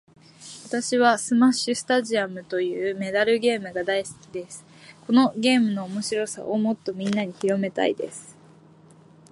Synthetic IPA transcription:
βat̪aɕiβ̞asɨmaɕɨsɨ̥t̪aʑiamɯ̟t̪o̞jɯ̟ːme̞d̪aɾɯ̟ɡʲe̞ːmɯ̟ɡad̪aiskʲid̪e̞sɨ̥ | ko̞no̞ɡʲe̞ːmɯ̟no̞ːmo̞ɕiɾo̞sa̰ʔomo̞t̪ːo̞mʲĩnːaɲ̟içiɾo̞me̞t̪a̰ḭd̪e̞̰sɨ̥

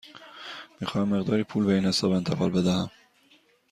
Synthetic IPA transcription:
miːxɒːhæmːe̞ɣd̪ɒːɾiːpʰuːlbeiːnhesɒːbe̞nt̪ʰeɣɒ̰ːlbe̞d̪æhæm

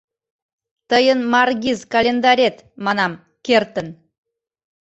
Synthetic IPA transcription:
t̪əjənmɑrɡʲizkɑlʲend̪ɑɾʲet̪mɑnɑm | kert̪ən

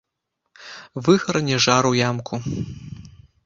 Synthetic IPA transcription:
vɨxɾɐnʲɛʐaɾujamkʰu

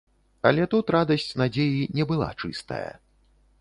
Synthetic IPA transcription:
ɐ̰lʲɛt̪ut̪ɾad̪ɐsʲt͡sʲnad͡zʲejinʲɛbɨlˠa̰t͡ʂɨ̰st̪ɐ̰jɐ̰

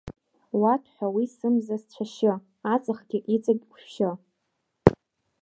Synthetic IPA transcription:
watʰħʷᶣawisɨmzast͡ɕʷʰaʃo | at͡sʼɨχɡ̥ʲiʔit͡sʼaɡʲʼkʷʃʃo

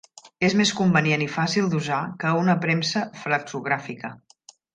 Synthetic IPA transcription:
ezmeskumbənienifasilˠd̪uzakəunəpɾɛmsəfləkzuɣɾafikə

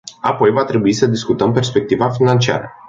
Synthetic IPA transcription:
apo̞jvat̪ɾe̞buisəd̪iskut̪əmpe̞rspe̞k̚t̪ivafinant͡ʃia̰ɾə̰

